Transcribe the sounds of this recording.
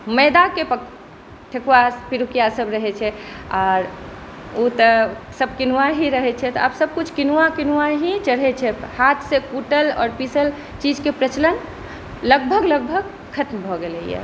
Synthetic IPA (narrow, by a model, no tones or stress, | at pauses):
məd̪akepə | ʈʰekuwaspiɾukijasəbɾəɦɛt͡ʃʰɛɔːɾ | ut̪əsəb̚kinuʋaɦiɾəɦɛt͡ʃʰɛt̪ɔabsəb̚kut͡ʃʰkinuʋakinuaɦit͡ʃəɽɦɛt͡ʃʰɛhat̪ʰsekuʈəlɔ̰ːɾpisəl | t͡ʃid͡ʒkepɾət͡ʃlən | ləɡbʱəɡləɡ̚bʱəɡ | kʰət̪mbʱɔɡeləḭjɛ̰